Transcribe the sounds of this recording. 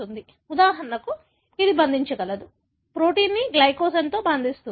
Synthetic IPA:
und̪i | ud̪aːɦɐɾɐnɐku | id̪ibɐnd̪ʱiɲt͡ʃɐɡɐlɐd̪u | pɾo̞ːʈiːnːiɡlɐjkoːsɐnt̪o̞ːbɐnd̪ist̪u

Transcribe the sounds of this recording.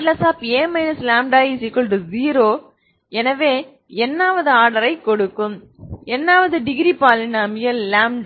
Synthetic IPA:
lɐsaːpeːmɐɪnɐslaːmɖaːisɪkːɔlɖɯziːɾoː | ɛnɐʋeː | ɛnːaːʋɐðɯaːɽɐɾɐɪkɔɽɯkːɯm | ɛnːaːʋɐðɯɖɪɡɾipaːlɪnaːmɪjɐllaːmɖ

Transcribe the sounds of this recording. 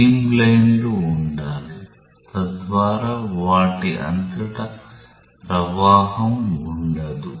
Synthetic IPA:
iːmlɐjnluːɳɖaːli | t̪ɐd̪ʋaːɾaːʋaːʈiʔɐ̰nt̪ɐʈɐ | pɾɐʋaːɦɐmuɳɖɐd̪u

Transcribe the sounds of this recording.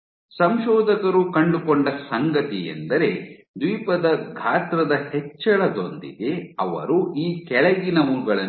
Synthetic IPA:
sɐmʃɔːd̪ɐkɐɾukɐɳɖukoɳɖɐsɐŋɡɐt̪ijḛnd̪ɐɾe̞ | d̪ʋiːpɐd̪ɐɡʱaːt̪ɾɐd̪ɐhet͡ʃːɐɭɐd̪o̞nd̪ḭd̪e̞ɐʋɐ̰ɾuʔiːkɛɭɐɡinɐmuːɡɐɭɐ

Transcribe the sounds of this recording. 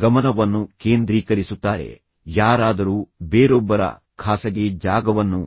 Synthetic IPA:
ɡɐmɐnɐʋɐnːukeːnd̪ɾiːkɐɾisut̪ːaːɾe̞̰ | jaːɾaːd̪ɐɾuːbeːɾɔbːɐɾɐ̰ | kʰaːsɐɡed͡ʒaːɡɐʋɐnːu

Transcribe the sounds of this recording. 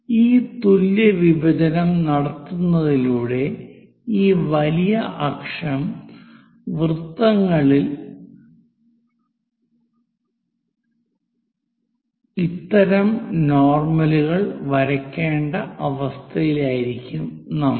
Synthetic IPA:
iːt̪uljɐʋibɐd͡ʑɐnɐmnɐɽɐt̪ːunːɐðiluːɽe̞ | iːʋɐlijɐʔɐkʂɐm | ʋrɨt̪ːɐŋːɐɭil | it̪ːɐɾɐmnoːrmɐluɣɐɭʋɐɾɐkʲːeːɳɖɐɐʋɐst̪ʰɐjilaːjiɾikʲːumnɐm

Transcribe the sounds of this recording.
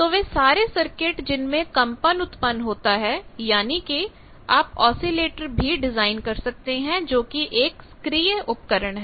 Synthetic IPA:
t̪oːʋeːsaːɾesɐɾkɪʈd͡ʒɪnmẽkɐ̃mpənʊt̪pənɦoːt̪aɦɛjaːniki | aːpɔːsileːʈəɾbʱiɖɪzaːɪnkɐɾsɐk̚t̪eɦɛ̃d͡ʒoːkiʔeːkskɾiːəʔʊp̚kəɾəɽ̃ɦɛː

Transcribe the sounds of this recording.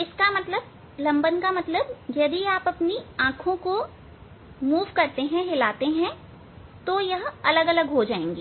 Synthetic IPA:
ɪskamɐt̪ləb̚ | lɐ̃mbənkamɐt̪ləb̚jɐd̪iaːpɐpniãːkʰõko | muːʋkɐɾt̪eɦɛ̃ɦɪlaːt̪eɦɛ̃ | t̪ojɐɦɐləɡɐləɡɦod͡ʒaːḛ̃ːŋɡiː

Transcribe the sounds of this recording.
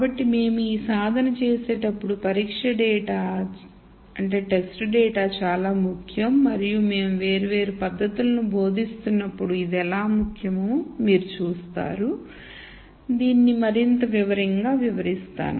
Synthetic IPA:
kaːbɐʈːime̞ːmuiːsaːd̪ʱɐnɐt͡ʃeːse̞ːʈɐpːuɽupɐɾiːkʂɐɖɛːʈaː | ɐɳʈe̞ːʈesʈɖɛːʈaːt͡ʃaːlaːmukʰjɐmːɐɾijume̞ːmuʋe̞ːɾiʋe̞ːɾupɐd̪ʱːɐt̪ulɐnubo̞ːd̪ʱist̪unːɐpːuɽuid̪ɛlaːmukʰjɐmuːmiːɾut͡ʃuːst̪a̰ːɾu | d̪iːnːimɐɾint̪ɐʋiʋɐɾiŋɡaːʋiʋɐɾist̪a̰ːnṵ

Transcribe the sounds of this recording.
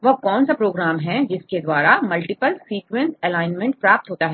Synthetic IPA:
ʋɐkɔːnsapɾoːɡɾaːmɦɛ̃d͡ʒɪsked̪waːɾamɐlʈɪpəlsiːkwɛ̃nsɛlaːɪnmɛ̃ɳʈ̚pɾaːp̚t̪ɦoːt̪aɦɛː

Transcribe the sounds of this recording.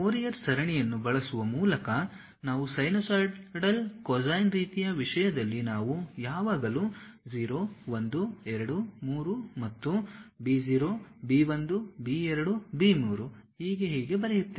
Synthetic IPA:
oːɾijɐɾsɐɾɐɳijɐnːubɐɭɐsuʋɐmuːlɐkɐ | naːʋusɐjnoːsaːɾɖɖɐlkɔd͡ʒajnɾiːt̪ijɐʋiʂɐjɐd̪ɐlːinaːʋujaːʋaːɡɐlu | d͡ʒiːɾoːʋond̪uɛɾɐɽumuːɾumɐt̪ːubiːd͡ʒiːɾoːbiːʋond̪ubiːɛɾɐɽubiːmuːɾuhiːɡe̞ɦiːɡe̞bɐɾejut̪ːe

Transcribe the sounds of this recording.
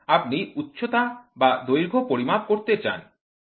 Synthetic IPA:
ap̚niutːɕʰot̪abad̪ojɾɡʱopoɾimab̚koɾt̪et͡ɕa̰n

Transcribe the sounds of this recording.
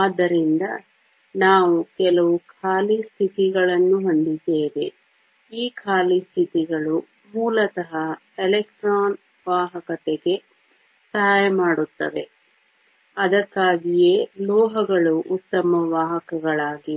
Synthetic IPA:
aːd̪ːɐɾind̪ɐ | naːʋukɛlɐʋukʰaːlist̪ʰit̪iɡɐɭɐnːuɦoɳɖid̪eːʋe | iːkʰaːlist̪ʰit̪iɡɐɭu | muːlɐt̪ɐɦɐ | elek̚ʈɾaːn | ʋaːɦɐkɐt̪eɡe̞ | sɐɦaːjɐmaːɽut̪ːɐ̰ʋe̞ | ɐd̪ɐkːaːɡije̞lɔːɦɐɡɐɭuʔut̪ːɐmɐʋaːɦɐkɐɡɐɭaːɡi

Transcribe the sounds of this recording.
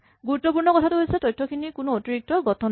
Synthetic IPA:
ɡuɾut̪ːɔp̬uɹnɔkɔtʰatuɦojsɛtɔjtʰːɔkʰinikunuotiɹik̚tɔɡɔt̪ʰɔn

